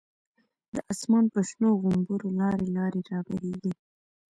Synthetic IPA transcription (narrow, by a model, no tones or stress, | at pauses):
d̪̥əʔasmɑnpəʃnoɣʊmbuɾolɑɾelɑɾeɾɑbaɾeɡi